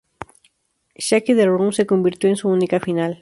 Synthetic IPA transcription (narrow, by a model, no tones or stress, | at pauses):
ʃakeðeɾɣuŋsekombiɾt̪joẽŋsuunikafinal